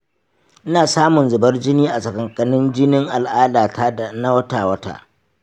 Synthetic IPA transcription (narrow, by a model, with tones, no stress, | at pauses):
ʔɪ˦naː˨saː˦mʊ˨nzʊ˨bɐ˦rd͡ʒɪ˦niː˦ʔa˨sɐ˨kɐ˨ŋkʼɐ˨nɪ˦nd͡ʒɪ˦nɪ˦ŋʔa˨lʔaː˦daː˨tʰaː˦da˨na˦wɐ˦taː˨wɐ˦ta̰ː˦ʔ